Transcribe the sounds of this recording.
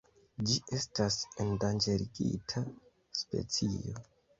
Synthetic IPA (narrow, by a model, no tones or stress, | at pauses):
d͡ʒiʔe̞stasendand͡ʒeɾiɡḭtʰa | spe̞̰t͡sijo̞̰